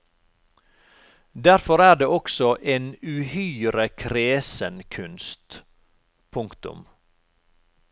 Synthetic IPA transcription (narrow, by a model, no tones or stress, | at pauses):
d̪æɾfɔɾæːɖeːɔksɔʔeːnʉːhyːɾəkʰɾeːsənkʰʉnst̪ | pʰʊŋkt̪ʊ̰m